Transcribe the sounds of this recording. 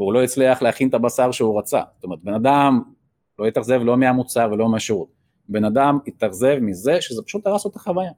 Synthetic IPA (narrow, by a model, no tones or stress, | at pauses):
veulo̞it͡sliaχlehaχint̪abasaʁʃeuʁat͡sa̰ztome̞ʁt̪be̞nad̪am | lo̞jit̪aχze̞vlo̞meamut͡saʁvelo̞meaʃeʁut̪̚ | be̞nad̪amit̪aχze̞vmize̞ʃezepḁʃut̪aʁasot̪ḁχavaja